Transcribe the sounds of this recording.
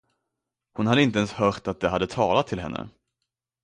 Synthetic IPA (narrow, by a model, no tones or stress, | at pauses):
hʊnhad̪əɪnt̪əɛnshœːɾʈ̪at̪̚d̪ɛɦad̪ːət̪ʰɑːlat̪ʰːɪlɦɛnːə̰